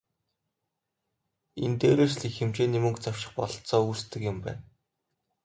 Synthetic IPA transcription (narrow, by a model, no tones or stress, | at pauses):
ent̪eːɾeːrsɮiːxemt͡ɕeːnimɵ̆ŋkt͡saw̥ʃɪ̆χpɔɮɞ̆ɬt͡sɔːuːst̪ʰɘ̆kjʊ̆mpæ̰ːn